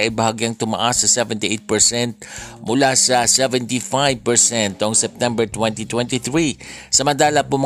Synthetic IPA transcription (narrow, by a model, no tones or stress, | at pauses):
ʔɐjbɐhaɡjaŋt̪ʊmɐ̰ʔasːɐsɛvɛnt̪iʔejt̪̚pɛɹsɛnt̪̚mʊlasɐsɛvɛnt̪ifajv̚pɛɹsɛnt̪oʔŋsɛp̚t̪ɛmbɛɹt̪wɛ̃nt̪it̪wɛ̃nt̪iθɹisɐmɐnt̪aːlɐpʊm